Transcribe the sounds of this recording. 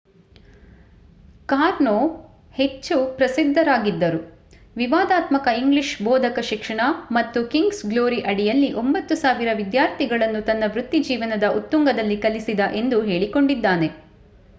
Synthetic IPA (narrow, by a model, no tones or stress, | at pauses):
kaːɾnoː | het͡ʃːupɾɐsid̪ʱːɐɾaːɡid̪ːɐɾu | ʋiʋaːd̪aːt̪mɐkɐiŋɡliʃbɔːd̪ʱɐkɐʃikʂɐɳɐmɐt̪ːukiŋɡsɡloːɾiʔɐɽijɐlːiʔo̞mbɐt̪ːusaːʋiɾɐʋid̪jaːɾt̪ʰiɡɐɭɐnːut̪ɐnːɐʋɾut̪ːid͡ʒiːʋɐnɐd̪ɐʔut̪ːuŋɡɐd̪ɐlːikɐlisid̪ɐʔe̞nd̪uɦeːɭiko̞ɳɖid̪ːaːne̞